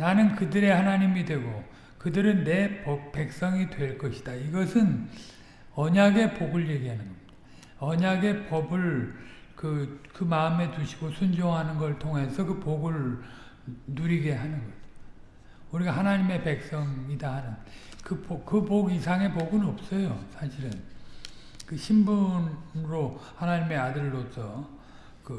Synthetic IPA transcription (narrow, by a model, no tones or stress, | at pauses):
nanɯnkɯdɯɾe̞hanaɲimidwe̞ɡo | kɯdɯɾɯnːe̞pʌpe̞k̚s͈ʌŋidwe̞ɭk͈ʌɕʰi̥d̥aiɡʌsʰɯn | ʌɲaɡe̞poɡɯɭje̞ɡiɦanɯnɡʌ | ʌɲaɡe̞pʌbɯɭkɯkɯmaɯme̞tuɕʰi̥ɡosʰund͡ʑoŋɦanɯnɡʌɭtʰoŋɦe̞sʰʌkɯpoɡɯɭ | nuɾiɡe̞ɦanɯnɡʌd͡ʑo̥ | uɾiɡahanaɲime̞pe̞k̚s͈ʌŋidahanɯn | kɯpokɯpoɡisʰaŋe̞poɡɯnʌp̚s͈ʌjosʰaɕʰiɾɯn | kɯɕʰimbunɾohanaɲime̞adɯɭːosʰʌ | kɯ